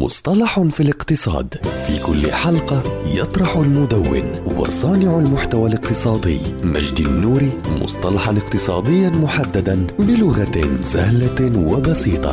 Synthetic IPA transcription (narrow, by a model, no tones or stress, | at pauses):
mʊ̰sˤt̪ˤɑlɑħʊnfilɪqt̪ɨsˤɑ̰ːd̪fḭːkʊlːɪ̰ħɑlqɑjɑt̪ˤɾˤɑħʊlmʊd̪awːɪ̰nwɑ̰sˤɑːnɪʕalmʊħt̪awalɪqt̪ɨsˤɑːd̪ɪ̰jːma̰ʒd̪ɪnːuːɾimʊ̰sˤt̪ˤɑlɑħɑnɪqt̪ɨsˤɑːd̪ɪjːanmʊħad̪ːad̪anbɪlʊɣasahlawabɑsiːt̪ˤɑ̰